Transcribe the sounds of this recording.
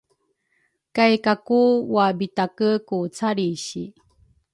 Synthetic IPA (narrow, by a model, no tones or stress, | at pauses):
kajkakuwabit̪akəkut͡saɾiɕi